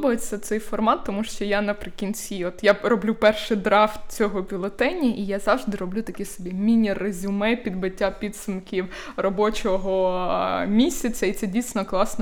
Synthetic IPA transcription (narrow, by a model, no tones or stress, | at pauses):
bɔjet͡sʲːɐt̪sɛjfɔrmɑt̪ːɔmuʃt͡ʃɔjanɐpɾɪkʲinʲt͡sʲiɔt̪jarɔblʲupɛrʃɪd̪ɾɑft̪̚t͡sʲɔɦɔbʲilˠɔt̪ɛnʲiʔijazɑʋʐd̪ɪɾɔblʲut̪ɐkʲisɔbʲimʲinʲirezʲʊmɛpʲid̪bɪtʲːapʲid̪sʊmkʲiw | rɔbɔt͡ʃɔɦɔ | mʲisʲɐt͡sʲɐit̪sɛdʲijsʲnɔklˠɑsnɔ